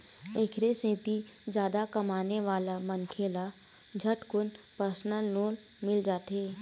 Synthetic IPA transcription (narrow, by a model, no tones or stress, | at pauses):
eːkʰɾesẽːt̪id͡ʒjaːd̪akəmaːneʋaːlamənkʰeːla | d͡ʒʱəʈkʊnpəɾsnəlːoːn | mɪld͡ʒaːt̪ɦeː